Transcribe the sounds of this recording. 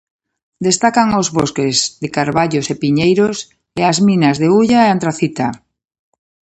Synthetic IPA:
d̪est̪akaŋozβoskezðekaɾβaʎosepiɲejɾos | eazmĩnazðeuʎaeant̪ɾaθit̪a

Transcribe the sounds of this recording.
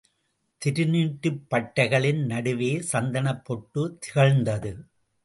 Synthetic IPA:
t̪ɪɾɯniːʈːɯpːɐʈːɐɪɣɐɭɪnnɐɽɯʋeːsɐnd̪ɐnɐpːɔʈːɯt̪ɪɣɐɻnd̪ɐðɯ

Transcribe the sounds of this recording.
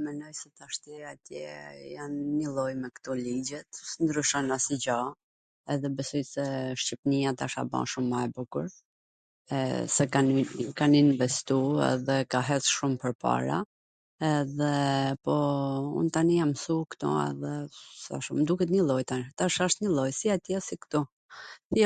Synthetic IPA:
mɛnɔjsɛt̪aʃt̪jɛat̪jɛjanɲəlˠɔjmɛkt̪ɔlid͡ʑɛt̪snd̪ɾyʃɔnasid͡ʑa | ɛðɛbɛsɔjsɛʃcipnijat̪aʃa̰ba̰ʃumːaɛbukuɾ | ɛ̰sɛkankaninvɛst̪uɛ̰ðɛkaɦɛsʃumpəɾpa̰ɾa̰ | ɛðɛpɔṵnt̪anijamsukt̪ɔ̰ɛ̰ðɛsa̰ʃumd̪ukɛt̪̬ɲəlˠɔjt̪at̪aʃaaʃt̪ɲəlˠɔjsiat̪jɛasikt̪ɔ | θɛ

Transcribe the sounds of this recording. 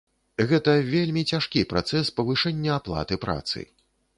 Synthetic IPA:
ɣɛt̪ɐvʲelʲmʲit͡sʲaʂkʲipɾa̰t̪sɛspɐvɨʂɛnʲːɐaplˠa̰t̪ɨpɾa̰t̪sɨ̰

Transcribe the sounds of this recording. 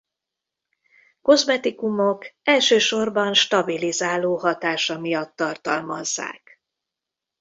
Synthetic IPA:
ko̞zmɛt̪ikumokɛlʃøːʃo̞rbɒnʃt̪ɒbilizaːloːhɒt̪aːʃɒmijɒt̪ːɒrt̪ɒlmɒzːa̰ːk

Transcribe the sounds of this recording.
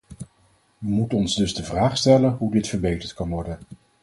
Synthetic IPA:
ʋəmutənɔnzdɵzdəvraːχstɛlənɦudɪtfəɹbejtəɹtkɑnʋɔɹdən

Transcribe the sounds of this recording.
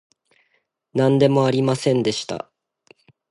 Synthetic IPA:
nãnd̪e̞mo̞aɾʲimasẽ̞nd̪e̞ɕi̥t̪a̰

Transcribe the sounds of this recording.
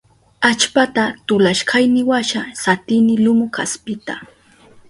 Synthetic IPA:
at͡ʃpat̪at̪ʊlaʃɢɑjnɪwaʃasat̪ɪnɪlʊmʊkaspɪt̪a

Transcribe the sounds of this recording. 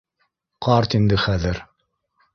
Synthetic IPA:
qɑɾt̪ind̪ɘχæðɘɾ

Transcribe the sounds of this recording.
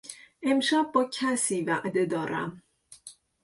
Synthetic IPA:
ʔe̞mʃæb̚ːɒːcʰæsiːvæʔd̪e̞d̪ɒːɾæ̰m

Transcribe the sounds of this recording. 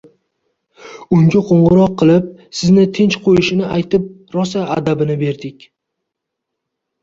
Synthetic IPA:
ʊŋɡʲaqʰoɴʁɨɾɒqʰːɨlˠɪp̚sɪznɪt̪ʰɪnt͡ʃqʰojɪʃɪnɪʔajt̪ɪp̚ | ɾɒsaːd̪abɪnɪbe̞ɾd̪ɪkʲ

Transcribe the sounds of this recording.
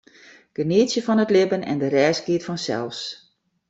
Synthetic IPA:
ɡ̥əniːtsjəfɔnətlɪbənɛ̰ndəɾɛːsɡiətfɔnsɛ̰lˠfs

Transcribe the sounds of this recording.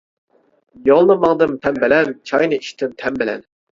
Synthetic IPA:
jɑlˠnɨmɑŋd̪ɨmt̪ʰɛmbɪlɛnt͡ʃʰɑjnɨiʃt̪ʰɪmt̪ʰɛmbɪlɛ̰n

